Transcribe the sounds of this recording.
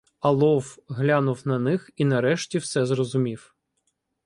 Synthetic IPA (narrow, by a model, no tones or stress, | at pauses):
ɐlˠɔwɦlʲanʊwnɐnɪxinɐɾɛʃtʲiwsɛzrɔzʊmʲiw